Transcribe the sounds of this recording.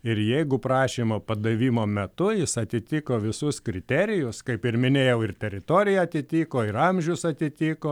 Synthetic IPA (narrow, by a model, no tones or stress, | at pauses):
ɪɾjɛɪɡʊpɾɑːʃʲiːmɐpɐd̪ɐʋʲiːmoːmʲɛt̪ʊjɪsɐt̪ʲɪt̪ʲiːkoːʋʲɪsʊskɾʲɪt̪ʲɛɾʲɪjʊskɐɪpɪrmʲɪnʲeːjɛʊɪrt̪ʲɛɾʲɪt̪oːɾʲɪjɛɐt̪ʲɪt̪ʲiːkoːɪɾɐmʲʒʲɛʊsɐt̪ʲɪt̪ʲiːkoː